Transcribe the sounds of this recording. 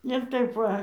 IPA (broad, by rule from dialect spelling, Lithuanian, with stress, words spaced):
ɪr ˈtɐɪp ˈʋɐ